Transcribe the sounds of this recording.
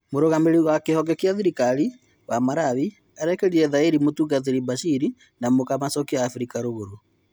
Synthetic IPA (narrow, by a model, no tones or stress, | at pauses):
moɾoɣameɾiɣwakehɔɡɛkiaðiɾikaɾi | wamaɾaβi | aɾɛkeɾiɾɛðaeɾimotuɡaðeɾibaʃiɾi | namokamasɔkiaːfɾikaɾoɣoɾo